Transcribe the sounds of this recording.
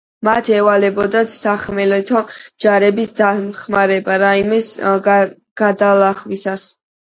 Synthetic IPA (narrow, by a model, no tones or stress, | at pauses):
mat̪ʰɛvalɛbɔd̪at̪ʰsaχmɛlɛt̪ʰɔd͡ʒaɾɛbisd̪amχmaɾɛbaɾaimɛs | ɡ̥ad̪alaχwisas